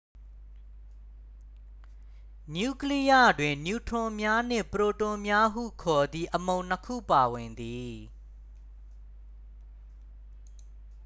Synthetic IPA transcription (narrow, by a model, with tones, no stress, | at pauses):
nju˦˨kli˦ja˦˨dwɪ̃˨nju˨tʰʊ̃˨mja˦n̥ɪ̰̃˦˨pəɹo˨tʊ̃˨mja˦ɦṵ˦˨kʰɔ˨d̪ði˦ʔəmõ˨ʊ̃n̥əkʰṵ˦˨pa˨wɪ̃˨nd̪i˨